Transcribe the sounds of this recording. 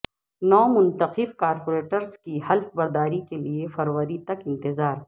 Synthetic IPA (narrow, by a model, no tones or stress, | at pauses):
nɔːmʊ̃nt̪əqɪbkaːɾpoːɾeːʈəɾzkihɐlfbɐɾd̪aːɾikeliefɐɾwəɾit̪ɐkɪ̃nt̪ɪzaːɾ